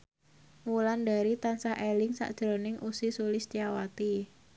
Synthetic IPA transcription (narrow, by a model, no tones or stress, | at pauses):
muland̪a̤ɾit̪ansahelɪŋsa̰ʔd̥ʒ̥ɾo̤nɪŋʔusisulɪst̪iawat̪i